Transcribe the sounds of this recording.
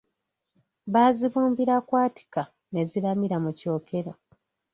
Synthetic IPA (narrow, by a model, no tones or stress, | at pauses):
βaːziβuːmbiɾakwaːti̥ka | ne̞zilamiɾamuco̞ːkʰe̞ɾo